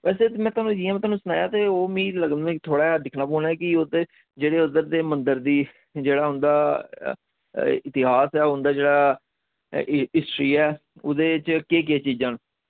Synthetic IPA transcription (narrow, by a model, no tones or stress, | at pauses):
ʋɛːseːt̪ːmɛ̃ːt̪aːnũːd͡ʒiːãːm̃ːt̪oaːnũːsʊnaːjaːt̪eːoːmĩːləɡnkt̪ʰoːɽaːd̪ɪkʰnaːpoːnaɛːkɪod̪e | d͡ʒeːɽeːʊd̪əɾd̪eːmənd̪əɾd̪iː | d͡ʒeːɽaːɦʊnd̪aː | ɪt̪ɪɦaːsɛːʊnd̪aːd͡ʒeːɽaː | ɪsʈɾiːɛːod̪eːt͡ʃkeːk̬ɪeːt͡ʃiːd͡ʒãːn